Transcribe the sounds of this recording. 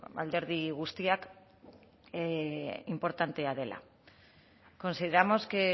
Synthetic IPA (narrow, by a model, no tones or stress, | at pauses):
a̰ld̪e̞ɾð̞iɣ̞ust̪iak | impo̞ɾt̪ant̪e̞að̞e̞lʔa̰ | ko̞nsiðe̞ɾamo̞ske